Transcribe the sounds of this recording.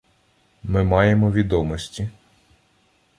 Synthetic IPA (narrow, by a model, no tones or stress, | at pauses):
mɪmɑjemɔʋʲid̪ɔmɔsʲtʲi